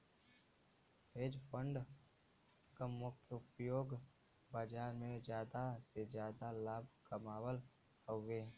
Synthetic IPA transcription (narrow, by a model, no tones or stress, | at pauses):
ɦeːd͡ʒpə̃ɳɖ | kəmʊkʰəʊpjoːɡ | baːd͡ʒaːɾmẽd͡ʒjaːd̪ased͡ʒjaːd̪alaːbʱkəmaːwəl | həːeː